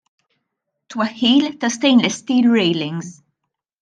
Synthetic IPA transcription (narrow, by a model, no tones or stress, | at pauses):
t̪wɐhiːlt̪ɐst̪ẽjnlɛst̪iːlɹejlɪ̃ŋz